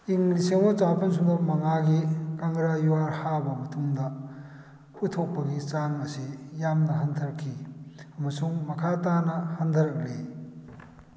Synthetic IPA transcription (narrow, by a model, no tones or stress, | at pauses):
iŋliseŋmɐt͡ʃapʰɐns̬uŋdɐmɐŋaɡikaŋɡɾajuwaɾhabɐmɐtʰuŋdɐ | utʰok̚pɐɡit͡ʃaŋɐsijamnɐɦantʰɐɾkʰːiɐmɐsuŋmɐkʰatanɐhand̪ʰɐɾɐk̚le